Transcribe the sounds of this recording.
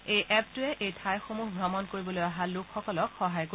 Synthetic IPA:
ejʔɛp̚tʊɛʔejtʰajxomuɦɡʱɹamɔnkoɹibɔlojaɦalʊkʰxɔkɔlɔkxɔɦajko

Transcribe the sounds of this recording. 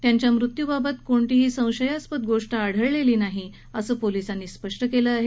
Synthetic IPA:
t̪jaɲt͡ɕjamɾut̪jubabət̪koɳʈ̪iɦiːsə̃w̃ɕəjaspət̪̚ɡoʂʈaːɽ̤əɭleliːnaɦi | əsəːpolisanːiːspəʂʈəkeləaɦe

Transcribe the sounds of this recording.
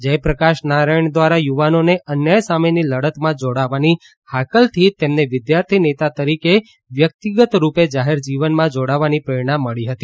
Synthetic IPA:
d͡ʒəjpɾəkaʃnaɾajɳd̪ʋaɾajuʋanoneʔənjəjsameniləɽət̪mãd͡ʒoɽaʋani | hakəlt̪ʰit̪emneʋɪd̪jaɾt̪ʰinet̪at̪əɾike | ʋjək̚t̪iɡət̪ɾuped͡ʒaɦeɾd͡ʒiʋənmãd͡ʒoɽaʋanipɾəjɽ̃ãmːəɭiɦət̪i

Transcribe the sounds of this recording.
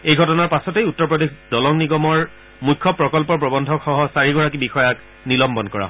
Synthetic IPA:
ejɡʱɔtɔnaɹpasɔtejutːɔɹpɹɔdexdɔlɔŋniɡɔmɔɹ | mujkʰːɔpɹɔkɔlpɔɹp̬ɹɔbɔndʱɔkxɔɦɔsaɹiɡɔɹak̬ibixɔjak | nilɔmbɔnkɔɹa̰ɦ

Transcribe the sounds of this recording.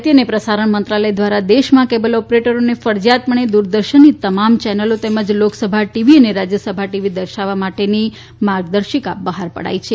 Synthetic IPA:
t̪ijənepɾəsaɾəɳmənt̪ɾaləjd̪ʋaɾad̪eʃmãkebəlɔpɾeʈəɾonefəɾd͡ʒjat̪məɳ̃ed̪uɾd̪əɾʃənːit̪əmamt͡ʃɛnəlot̪eməd͡ʒloksəbʱaʈiʋiəneɾad͡ʒjəsəbʱaʈiʋid̪əɾʃaʋamaʈeni | maɾɡ̚d̪əɾʃika̰bəɦaɾpə̰ɽa̰jt͡ʃʰe

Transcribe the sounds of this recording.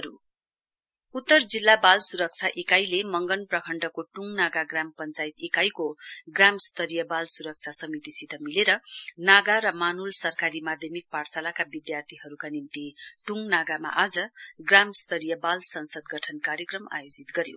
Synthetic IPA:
ʌɾu | ut̪ːʌrd͡zilːabalsuɾʌk̚t͡sʰaʔekajlemʌŋɡʌnprʌkʰʌɳɖʌkoʈuŋɡnaɡaɡrampʌnt͡sajit̪ekajkoɡramst̪ʌɾijʌbalsuɾʌk̚t͡sʰasʌmit̪isit̪ʌmileɾʌnaɡaɾʌmanulsʌrkaɾimad̪ʱjʌmik̚parsalakabid̪jart̪ʰiɦʌɾukanimt̪iʈuŋnaɡama̰ʔad͡zʌɡramst̪ʌɾijʌbalsʌnsʌd̪ɡʌʈʰʌnkaɾjʌkrʌma̰jod͡zit̪ɡʌɾjo̰

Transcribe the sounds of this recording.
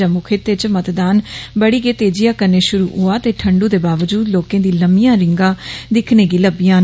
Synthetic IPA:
əmʊkʰet̪et͡ʃmət̪d̪aːnbəɽiːɡeːt̪eːd͡ʒɪjaːkəneːʃʊɾuːʊaːt̪eːʈʰəɳɖuːd̪eːbaːʋəd͡ʒuːd̪loːkẽːd̪iːləmɪjãːɾɪ̃ŋɡãːd̪ɪkʰneːɡiːləbɪjãː

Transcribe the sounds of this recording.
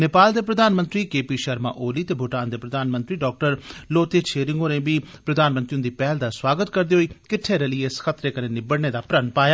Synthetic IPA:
nepaːld̪eːpɾəd̪aːnmə̃nt̪ɾiːkeːpiːʃəɾma̰ːʔoːliːt̪eːbʱʊʈaːnd̪eːpɾəd̪aːnmə̃nt̪ɾiːɖɔːk̚ʈəɾloːt̪eːt͡ʃʰeːɾɪŋɡoːɾẽːbiːpɾəd̪aːnmə̃nt̪ɾiːʊnd̪iːpɛːɦld̪aːswaːɡət̪kəɾd̪eːɦoːiːkɪʈʰːeːɾəliːesxət̪ɾeːkəɾẽːnɪbəɽneːd̪aːpɾənpaːjaː

